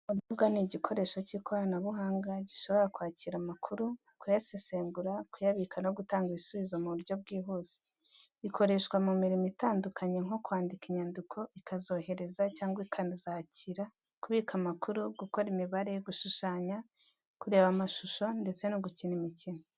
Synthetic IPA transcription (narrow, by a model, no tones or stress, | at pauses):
uβubɡaniɟikʰo̞ɾe̞ːʃo̞ciːkʰo̞ɾanaβuɦaːŋɡaɟiʃo̞βo̞ɾakwaːciɾamakʰuɾu | kujaseseːŋɡuɾakujaβikʰanoɡutaːŋɡiβisuβizo̞muɾjɟo̞βɡiːɦuːz̥i̥ | ikʰo̞ɾe̞ʃkwamumiɾimitaːndukʰaɲeŋo̞kwaːndikiɲandikʰo̞ʔikʰazo̞ːhe̞ɾe̞zacaːŋɡwaikʰazaːciɾa | kuβikamakʰuɾuɡuko̞ɾimiβaɾe̞ɡuʃuʃaːɲa | kuɾe̞ːβamaʃuʃo̞nde̞t͡se̞nuɡucinimicino